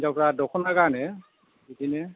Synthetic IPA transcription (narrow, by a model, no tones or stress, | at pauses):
zapɹadɔkʰɔnakaɹnɛ | itinɛ